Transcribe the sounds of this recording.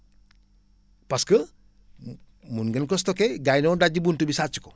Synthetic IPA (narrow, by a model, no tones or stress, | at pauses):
paskə | munɡɐnkostɔkeɡajnodaɟibuntubisat͡ʃi̥ko